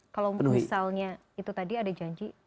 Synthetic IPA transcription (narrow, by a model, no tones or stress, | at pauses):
kalowənuisalɲa | it̪ut̪adiadad͡ʒaɲd͡ʒi